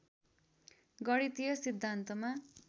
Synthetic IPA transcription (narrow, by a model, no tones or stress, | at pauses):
ɡʌɽit̪ijʌsid̪ʱːant̪ʌma